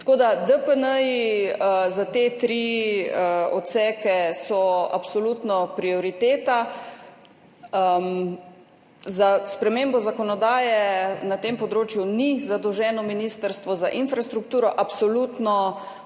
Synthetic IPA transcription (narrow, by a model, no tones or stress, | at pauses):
t̪koːd̪ad̪əpənəi | zat̪et̪ɾi | ɔt̪sɛːkɛsɔa̰psɔluːt̪nɔpɾiɔɾit̪eːt̪a | m | zaspɾɛmembɔzakɔnɔd̪aːjɛnat̪eːmpɔd̪ɾoːt͡ʃjunizad̪ɔwʒɛːnɔminist̪əɾst̪ʋɔzaʔinfɾast̪ɾuk̚t̪uːɾɔʔapsɔluːt̪nɔ